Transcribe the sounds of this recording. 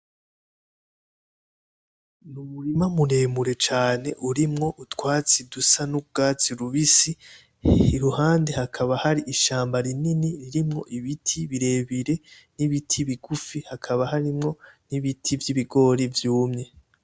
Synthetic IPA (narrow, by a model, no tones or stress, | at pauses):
numuɾimamuɾe̞ːmuɾe̞t͡ʃaːne̞̰ʔuɾimŋo̞ʔutwaːt͡sidusanubɡaːt͡siɾuβisi | ihuhaːndehakʰaβahaɾiʔiʃaːmbaɾininiɾiɾimŋo̞̰ʔiβitʰiβiɾe̞ːβiɾe̞ | niβitʰiβiɡufihakʰaβahaɾimŋo̞niβitʰivjiβiɡo̞ɾivjuːmɲe̞